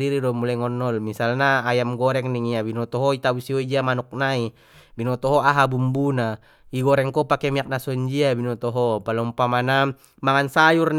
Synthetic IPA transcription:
diɾidɔmulaiŋɔnːɔlmisalnaːjamɡɔɾɛŋniŋiabinɔt̪ɔɦɔit̪awisiɔid͡ʒiamanuk̚nai | binɔt̪ɔɦɔʔaɦabumbuna | iɡɔɾɛŋkɔpakɛmiak̚nasɔɲd͡ʒiabinɔt̪ɔɦɔpalɔmpamana | maŋansajurn

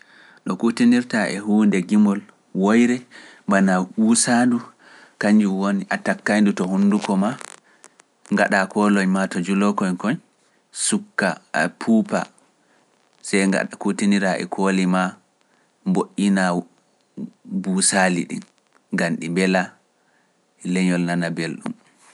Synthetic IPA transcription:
ɗɔkutiniɾtaʔɛɦuːndɛɡimɔl | wojɾɛmbanaɓusandu | kaɲd͡ʒuwoniʔatakːajdutɔhundukɔma | ŋɡaɗakɔlɔɲmatɔd͡ʒulɔkɔɲkɔɲ | sukːapʰuːpa̰ | sɛjŋɡa̰ɗakutiniɾaʔɛ̰kʰɔlima | mboʔina | buːsalḭɗḭn | ɡanɗimbɛla | lɛɲɔlnanabelɗṵm

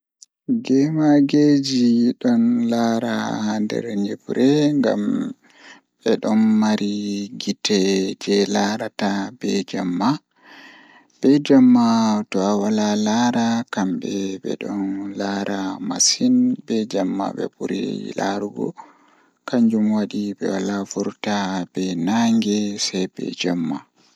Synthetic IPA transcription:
ɡɛmaɡed͡ʒiɗɔnlaɾa̰handɛ̰ɾɛnepuɾɛŋɡa̰m | bɛɗɔnːaɾiɡitʰɛd͡ʒɛlaɾatabɛd͡ʒamːa | bɛd͡ʒamːatɔawalalaɾakambɛbɛ̰ɗɔnlaɾama̰sinbɛd͡ʒamːa̰bɛ̰buɾɛ̰laɾuɡɔ̰ | kaɲd͡ʒumwaɗibɛ̰walafuɾtabɛnaŋɡɛsɛjbɛ̰d͡ʒamːa

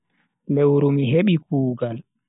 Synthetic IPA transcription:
lewɾumiɦeɓikuːɡal

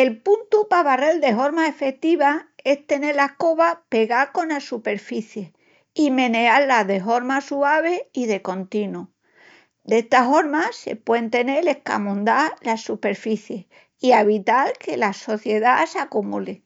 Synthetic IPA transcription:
e̞lpunt̪upaβare̞ld̪eɦo̞ɾmae̞fe̞kt̪iβae̞ht̪e̞ne̞ɾlahko̞βape̞ɣako̞nasupe̞ɾfiθje̞ | imẽ̞neaɾlaðe̞ɦo̞ɾmasuaβe̞iðe̞ko̞nt̪inu | d̪e̞st̪afo̞ɾmase̞̰pwent̪e̞ne̞le̞hka̰mũnd̪alasupe̞ɾfiθje̞ | iaβit̪alke̞laso̞θje̞ðasakumule

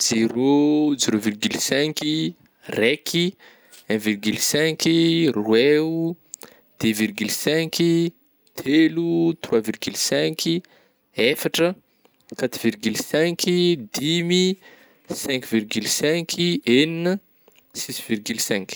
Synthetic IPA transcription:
d͡z̥eɾozeɾovirɡylsɛ̃ki | rekʰi | ɛ̃virɡylsɛ̃kirweu | d̪̥evirɡylsɛ̃ki | t̪ʰelut̪rwavirɡylsɛ̃ki | efaʈ͡ʂə | kat̪uvirɡylsɛ̃kid̪imi | sɛ̃ŋkvirɡylsɛ̃kʰieninə | sisvirɡylsɛ̃ŋkʲ

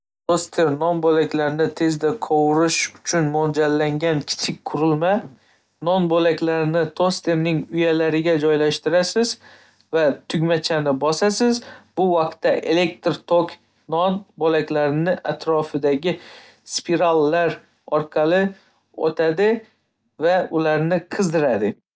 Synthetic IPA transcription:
t̪ʰost̪ʰeɾnɒnbolakʲlaɾnɪt̪ʰe̞zd̪aqʰɒwɾɪʃʊ̥t͡ʃʰʊnmond͡ʒalːaŋɡʲankʲʰɪ̥t͡ʃʰɪk̚ʲkʰʊɾɪlma | nɒnbolakʲlaɾnɪt̪ʰost̪ʰe̞ɾnɪŋʊjalaɾɪɡʲad͡ʒɒjlaʃt̪ɪɾasɪz | vat̪ʰʊɡʲmat͡ʃʰanɪbɒsasɪzbʊwɑq̚t̪ːaʔe̞le̞k̚t̪ɾt̪ʰokʲʰ | nɒnbolakʲlaɾnɪʔa̰t̪ʰɾɒfɪd̪aɡʲɪ | spiɾalːaɾ | ɒɾqʰɑlɪ | ot̪ʰad̪ɪ | vaʊlaɾnɪqʰɨzd̪ɪɾad̪ɪ

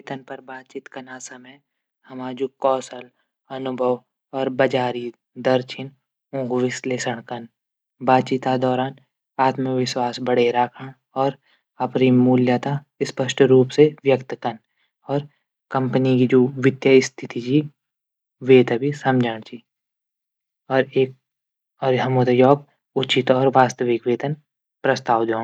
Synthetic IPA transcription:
et̪ənpɐɾbaːt̪̚t͡ʃit̪kɐnaːsɐməj | hɐmaːd͡ʒoːkɔːsəl | ɐnʊbʱəʋ | ɔːɾbəd͡ʒaːɾi | d̪əɾʃɪn | õːɡoʋɪsleːʃəɽ̃kən | baːt̪̚t͡ʃit̪ad̪ɔːɾaːn | aːt̪məʋɪswaːsbəɽeɾaːkʰəɽ̃ | ɔːɾ | ɐpɾimuːljaːt̪a | ɪspəʃʈɾuːpseʋjɐkt̪kɐn | ɔːɾ | kɐ̃mpənikid͡ʒoːʋɪd̪jaɪst̪ʰɪt̪id͡ʒi | ʋeːt̪abʱisɐ̃md͡ʒʱaɳ̃t͡ʃʰi | ɔɾeːk | ɔːɾɦɐmot̪ɐjɔːɡ | ʊt͡ʃɪt̪ɔːɾʋaːst̪əʋɪkʋeːt̪ən | pɾɐst̪aːʋd̪ẽ

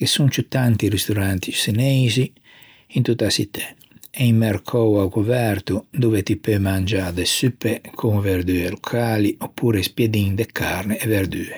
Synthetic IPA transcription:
kesunt͡ʃut̪ant̪iɾist̪uɾant̪isinɛjzi | int̪ut̪ːasit̪ɛ̥ | eimmːerkʰɔwawkuvɛrt̪ud̪uːvet̪ipømand͡ʒad̪esypːekʰomuveɾd̪yːelukʰaːliʔopːuːɾespjed̪ind̪ekʰarneeveɾd̪yːe

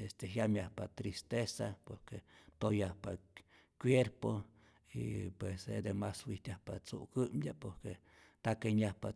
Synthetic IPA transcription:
est̪eɦjamjahpat̪ɾist̪esapoɾket̪ojahpa | kwjeɾpo | ḭpwesḛd̪emaswiht̪ʲjahpat͡sṵkɨmd̪ʲapoɾke | t̪akeɲjahpa

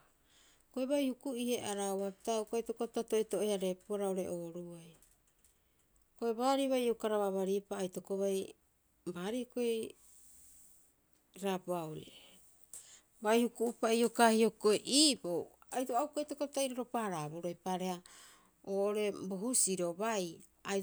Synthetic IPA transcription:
koeβajhukuiheʔaɾawaptaukoajtokoap̚tatoeto̞ʔeaɾe̞puaɾaoɾe̞̰ʔoːɾuaj | koebaːɾiβajokaɾaβaβaɾipaːjto̞koβaj | baɾikoe | ɾapuaoɾḛ | bajhukuʔpaiokahio̞koeʔiːpow | ajtoawkajtokap̚taiɾoɾopaɾaβoɾojpaɾeha | oːʔoɾe̞bo̞ɦusiɾo̞βaj | aj

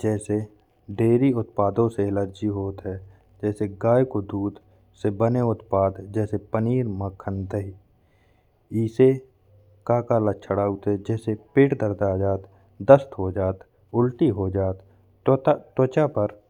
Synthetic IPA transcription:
d͡ʒɛːse | ɖeːɾiʊt̪paːd̪õseɪləɾd͡ʒiɦoːt̪ɦɛ | d͡ʒɛːseɡaːjkod̪uːd̪ | sebəneʊt̪paːd̪d͡ʒɛːsepəniːɾməkʰːənd̪əi | iːse | kaːkaːlat͡ʃʰəɽaːut̪ɛd͡ʒɛːsepɪːʈd̪əɾd̪ad͡ʒaːt̪ | d̪əst̪ɦod͡ʒaːt̪ | ʊlʈiɦod͡ʒaːt̪ | t̪t̪wət͡ʃapəɾ

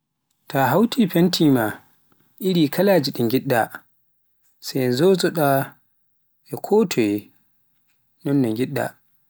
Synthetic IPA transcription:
taɦawtʰiːpentʰima | ʔiɾiːkʰalaːd͡ʒiɗiŋɡiɗːa̰ | sɛjzɔzɔɗa | ʔɛkʰɔːtʰɔjɛ | nɔnːɛŋɡiɗːa̰

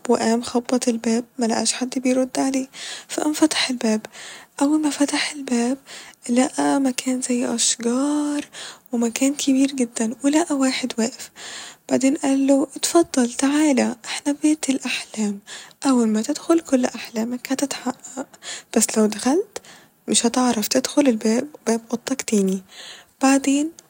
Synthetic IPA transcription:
wɪʔæːmxɑbːɑt̪ˤelbæːb̚mælaʔæ̰ːʃħad̪ːbejɾod̪ːʕaleːfa̰ʔɪnfæt̪ḁħelbæːbʔæwːalmæfæt̪aħelbæːb̚læʔmækʰæːnzæjːʔɑʃɡɑːɾˤwɪmækæːnkʰɪbiːɾɡɪd̪ːænwɪlæʔwaːħed̪wæːʔɪfb̥aʕd̪eːnʔælːoʔt̪fɑd̪ˤːɑlt̪aʕaːlaʔɪħnæbeːt̪elʔaħlæːmʔæwːalmæt̪ed̪xolkʊlːʔaħlæːmækæːnt̪ɪt̪ħaʔːæʔb̥æsːlæwd̪æxælt̪ | mɪʃhæt̪eʕɾˤɑft̪ed̪xʊlɪlbæːbbæːbʔot̪ˤːɑkt̪æːnib̥aʕd̪eːn

